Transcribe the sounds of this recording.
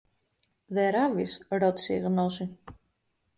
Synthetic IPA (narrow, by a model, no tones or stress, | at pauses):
ðe̞ɾɐvisɾo̞t̪i̥seiɣno̞si